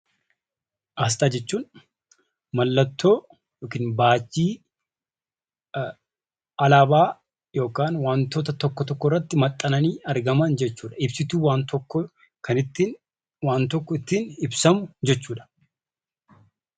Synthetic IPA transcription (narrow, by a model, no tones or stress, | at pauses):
ʔɐs̬t̪aːd͡ʒɛt͡ʃːuːn | mɐlːɐt̪ːo̞ː | joːkiːnbaːt͡ʃːiː | ɐlaːbaː | jo̞ːkaːnwaːnt̪oːt̪ɐt̪ɔkːɔt̪ɔkːɔɪrːɐt̪ːɪmɐt̪ʼːɐnɐniːɐɾɡɐmɐnd͡ʒɛt͡ʃːuːᶑɐɪbsɪt̪uːwaːnt̪ɔkːɔ | kɐnɪt̪ːin | waːnt̪ɔkːɔɪt̪ːiːnɪbsɐmʊd͡ʒɛt͡ʃːuːᶑɐ̥